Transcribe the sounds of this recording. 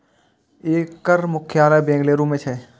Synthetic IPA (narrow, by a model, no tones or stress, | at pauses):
eːkːəɾmʊkʰjaːlajbẽːŋɡleːɾũmẽt͡ʃʰɛ